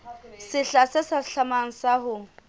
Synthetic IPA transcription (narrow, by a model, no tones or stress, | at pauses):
sɪɬasɪsaɬamaŋ̩sahʊ